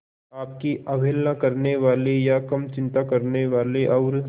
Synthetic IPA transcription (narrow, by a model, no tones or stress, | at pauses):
aːp̚kiʔɐbʱeːlnãkɐɾneʋaːlejakɐmt͡ʃɪ̃nt̪akɐɾneʋaːleʔɔːɾ